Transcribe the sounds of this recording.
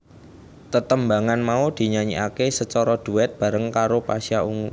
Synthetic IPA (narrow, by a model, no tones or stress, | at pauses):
t̪ət̪əmbaŋanmaud̪̥i̤ɲaɲiʔakesət͡ʃɔɾɔd̪̥ṳɛt̪̚b̥a̤ɾəŋkaɾopasiauŋu